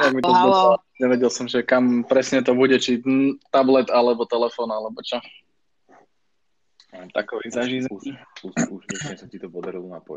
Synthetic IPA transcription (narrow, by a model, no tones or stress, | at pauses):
ɛmit̪ɔzɔsa | ɲɛʋɛɟɛlˠsɔmʒɛkampɾɛsɲɛt̪ɔbuɟɛt͡ʃit̪ablɛt̪alɛbɔt̪ɛlɛfɔːnalɛbɔt͡ʃɔ | at̪a̰kɔʋizaʒiːzuusuʃpɛʃɲɛsatit̪ɔpɔd̪aɾilɔnapɔ̰